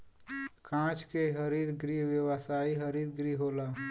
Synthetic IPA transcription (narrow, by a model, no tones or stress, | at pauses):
kãːt͡ʃkeɦəɾid̪ɡɾiwjəwəsaːiɦəɾid̪ɡɾiɦoːla